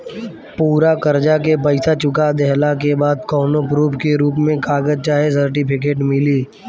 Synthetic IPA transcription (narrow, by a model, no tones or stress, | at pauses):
puːɾakəɾd͡ʒak̬ep̬ɐɪsat͡ʃʊkad̪ɛɦlak̬ebaːd̪kɔːnopɾuːpkeɾuːpmẽkaːɡəd͡ʒt͡ʃaːɦes̬əɾʈɪpʰɪk̬eːʈmɪliː